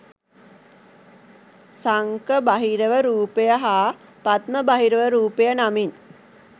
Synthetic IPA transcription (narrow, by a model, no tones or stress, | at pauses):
saŋkəbaɦiɾəʋəɾuːpejəɦaːpat̪məbaɦiɾəʋəɾuːpejənamin